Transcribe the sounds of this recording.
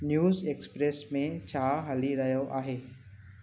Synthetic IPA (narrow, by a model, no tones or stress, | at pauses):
njuːzeːkspɾeːsmẽt͡ɕʰaːɦɐliɾɐɦjoʔaːɦeː